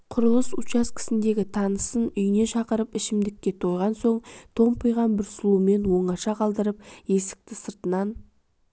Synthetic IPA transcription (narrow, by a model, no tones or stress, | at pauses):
qʰʊɾəlˠəsut͡ʃɑskʲʰɪ̥sɪnd̪e̞ɡʲɪt̪ʰɑnəsənʏjɪne̞ʃɑqəɾəpɪʃɪmd̪ɪkʲːe̞t̪ʰo̞jʁɑnso̞ɴt̪ʰo̞mpʰʊjʁɑnbɪɾslˠume̞nwo̞ɴɑʃɑqʰɑlˠd̪əɾəp̚je̞sɪ̥k̚t̪ɪsəɾt̪ənɑn